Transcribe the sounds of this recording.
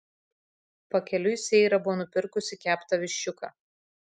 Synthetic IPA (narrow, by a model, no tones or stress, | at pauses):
pɐkʲɛlʲʊɪsʲɛɪɾɐbʊʋoːnʊpʲɪɾkʊsʲɪkʲæːpt̪ɐʋʲɪʃʲt͡ʃʲʊkɑ̰ː